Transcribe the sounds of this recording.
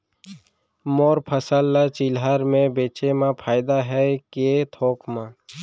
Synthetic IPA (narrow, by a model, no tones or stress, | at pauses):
moːɾpʰəsəlːat͡ʃɪlɦaɾmẽbeːt͡ʃemãpʰaːɪd̪aɦɛket̪ʰoːkmãː